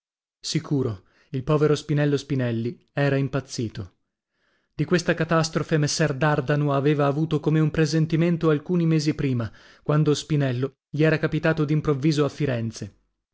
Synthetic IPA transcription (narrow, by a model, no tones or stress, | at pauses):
sikʰuːɾo | ilpɔːveɾospinɛlːospinɛlːi | ɛːɾaimpat̪sːiːt̪o | d̪ikwest̪akat̪ast̪ɾofemesːɛrd̪ard̪anoaveːvaːvuːt̪okomeumpɾezent̪iment̪oalkuːnimeːzipɾiːma | kwand̪ospinɛlːo | ʎiɛːɾakapit̪aːt̪od̪impɾovːiːzoafːiɾɛnt̪se